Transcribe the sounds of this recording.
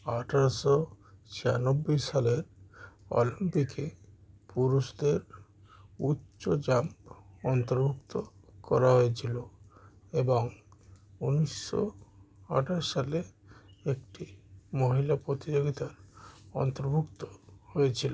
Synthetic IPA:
aʈʰaɾɔsɔt͡ʃʰia̰nobːojsaleɾɔ̰limpikʰepuɾusd̪eɾ | utːʃod͡ʒamɔnt̪oɾbʱukt̪okɔɾaɦoet͡ʃʰilo | ebɔŋ | unisːɔ̰a̰ʈʰaɾsale | ek̚ʈimoɦilapɾot̪id͡ʒoɡit̪aɾɔ̰nt̪oɾbʱukt̪o̥hoet͡ɕʰilo

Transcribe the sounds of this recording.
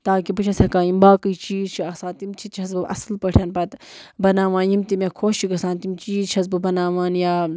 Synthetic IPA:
t̪aːkibɨt͡ʃʰɐsɐkaːimbaːkɨjt͡ʃiːzt͡ʃʰiɐsaːt̪imt͡ʃʰit̪t͡ʃʰɐz̬bɨʔɐ̰slpɐʈʰjaːnpɐt̪bɐnaːʋaːnjimt̪imekʰoːʃt͡ʃiɡɐsaːnt̪imt͡ʃiːzt͡ʃʰɐzbɨbɐnaːʋaːnjaː

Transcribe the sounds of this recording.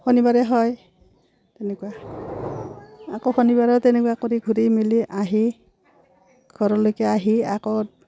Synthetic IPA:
xonibaɹɛɦɔj | tɛnɛkua | akoxonibaɹɛtɛnɛkuwakoɾiɡʱuɾimiliʔaɦi | ɡ̥ʱɔɹɔlojkɛaɦiakɔ

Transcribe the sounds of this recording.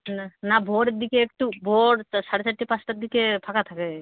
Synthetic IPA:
nabʱoɾed̪ikeek̚ʈubʱoɽsaɽesʰaʈʈːipãsʈad̪ikepʰakat̪ʰake

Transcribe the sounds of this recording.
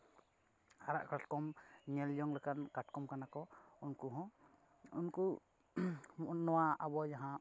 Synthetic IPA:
aɾa̰ʔkɾaʈkɔmɲɛljɔŋlɛkankaʈkɔmkanakɔunkuɦɔ̃ | unku | mnɔwaabɔd͡ʒaɦã

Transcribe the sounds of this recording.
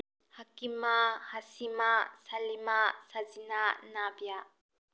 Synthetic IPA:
hakimahasimasɐlimasazinanabjaʔ

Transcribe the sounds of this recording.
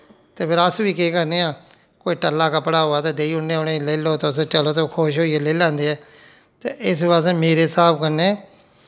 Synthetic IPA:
t̪eːpʰɪɾəsʋiːkeːkəɾneːãː | koːiːʈəlːaːkəpɽaːɦoːaːt̪eːd̪eːiːʊneʊnẽːleːloːt̪eːʊset͡ʃəloːt̪ekʰoːʃɦoːiːɛːleːlãːnd̪eːɛː | t̪ḛːɪsʋaːsemeːɾeːsaːbkəɾneː

